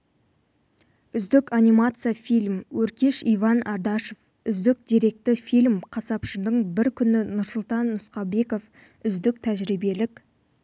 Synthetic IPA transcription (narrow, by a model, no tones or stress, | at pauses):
ʏzd̪ɪkanʲijmat̪sɨjafijlʲmwɵɾkʲe̞ʃijvɑnɑɾd̪ɑʃo̞f | ʏzd̪ɪk̚d̪̥ʲiɾe̞k̚t̪ɪfijlʲmqʰɑsɑpʃəd̪əɴbɪɾkʲʰʏnɪnʊɾsʊlˠt̪ɑnːʊsqɑbe̞ko̞f | ʏzd̪ɪk̚t̪ʰæʒɾibe̞lɪkʲ